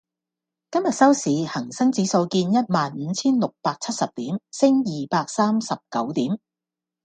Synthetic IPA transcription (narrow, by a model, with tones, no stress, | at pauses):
kɐ˥mjɐ˨t̚sɐ˥wsiː˨˥hɐ˨˩ŋsɐ˥ŋt͡siː˨˥so˧wkiː˧njɐ˥t̚maː˨nm̩ː˨˦t͡sʰiː˥nlʊ˨k̚paː˧k̚t͡sʰɐ˥t̚sɐ˨p̚t̪iː˨˥msɪ˥ŋjiː˨paː˧k̚saː˥msɐ˨p̚kɐ˨˥wt̪iː˨˥m